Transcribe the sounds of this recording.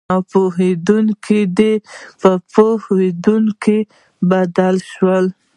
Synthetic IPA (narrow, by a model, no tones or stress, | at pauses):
ɑpoɦed̪uŋkid̪epəpohed̪uŋki | bad̪alʃwəl